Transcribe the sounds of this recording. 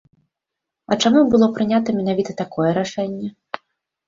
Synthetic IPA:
ɐt͡ʂamubɨlˠɔpɾɨnʲat̪ɐmʲɛnavʲit̪ɐt̪akɔjɛɾaʂɛnʲːɛ

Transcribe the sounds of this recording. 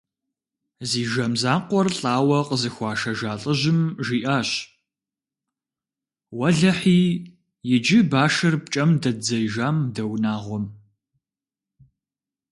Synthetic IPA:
ziːʒɐmzaːqʷɔrɬʼaːwɐqəzɨxʷɑːʃɐʒaːɬʼəʑɪmʒiːʔaːɕ | wɐɮɐħiː | jɪd͡ʒɪbaːʃɐrp̚t͡ʃʼɐmdɐd͡zɐjʒaːmdɐwnaːʁʷɔm

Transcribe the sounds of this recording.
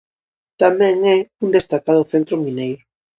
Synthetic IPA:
t̪amɛ̃ŋɛund̪est̪akað̞ʊθent̪ɾʊminej

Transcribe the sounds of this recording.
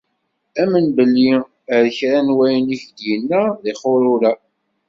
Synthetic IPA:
æmənbəlːi | əɾçɾænwæjniçd̪jənːæðɪχʊɾʊɾæ

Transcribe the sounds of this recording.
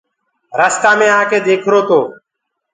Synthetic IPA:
ɾaːst̪aːmẽːãːkʰeːd̪eːkʰɾoːt̪oː

